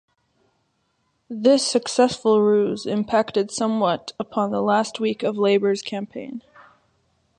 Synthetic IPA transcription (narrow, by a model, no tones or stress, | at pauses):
ðɪsɨksɛsfl̩ˠɹʉzɨ̃mpʰæk̚tɨd̥sʌ̃mwʌɾəpʰɑ̃nðəlæst̚wikʌvleɪbə˞z̥kʰæ̃mpʰẽɪ̃n